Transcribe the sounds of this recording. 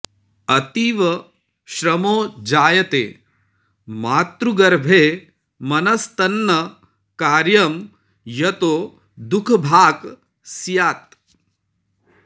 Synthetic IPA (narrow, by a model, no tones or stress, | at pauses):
ɐt̪iːʋɐ | ʃɾɐmoːd͡ʒaːjɐt̪ḛː | maːt̪ɾuɡɐɾbʱeː | mɐnɐst̪ɐnːɐ | kaːɾjɐm | jɐt̪oː | d̪ukʰbʱaːɡ | sjaːt̪̚